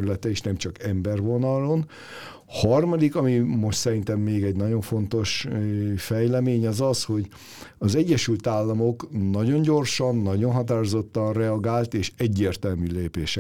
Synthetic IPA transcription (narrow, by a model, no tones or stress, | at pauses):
ɾylɛt̪ɛiʃnɛmt͡ʃɒkɛmbɛrvo̞nɒlo̞n | hɒrmɒd̪ikɒmimo̞ʃt̪sɛɾint̪ɛmːeːɡɛɟnɒɟo̞ɱfo̞nt̪o̞ʃ | fɛjlɛmeːɲɒzɒsho̞ɟ | ɒzɛɟːɛʃylt̪aːlːɒmo̞knɒɟo̞ɲɟo̞rʃɒnːɒɟo̞nɦɒt̪aːɾozo̞t̪ːɒnrɛɒɡaːlt̪eːʃɛɟːeːrt̪ɛlmyːleːpeːʃɛ